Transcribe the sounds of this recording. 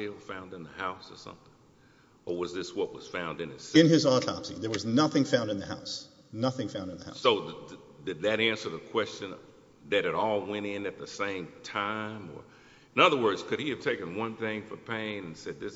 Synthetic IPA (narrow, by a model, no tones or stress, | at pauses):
lˠfãʊ̃ndɨ̃nðɨhaʊsə˞sʌ̰̃mθɪ̃ŋ̃ŋ | ə˞wʌzðɪswʌʔ̚wʌz̥fãʊ̃ndɨ̃nɨsɨ̃nɪzɑtʰɑ̰psḭðə˞wʌznʌθɪ̃ŋfãʊ̃ndɨ̃nðɨhaʊs | nʌθɪ̃ŋfãʊ̃ndɨ̃nðəha̰ʊsoʊ | ðɨd̪̚ðɨɾæ̃nsə˞ðəkʰw̥ɛst͡ʃɨ̃n | ðɨɾɨɾɔlˠwɛ̃ɾ̃ɪ̃nɨt̪̚ðəsẽɪ̃mtʰãɪ̃mə̰˞ | ɨ̃nʌðə˞wɜ˞dz̥kʰɨɾ̚iɨv̥tʰeɪkɨ̃nwʌ̃nθɪ̃ŋfə˞pʰẽɪɪ̃ŋɨ̃nsɛd̪̚ðɪs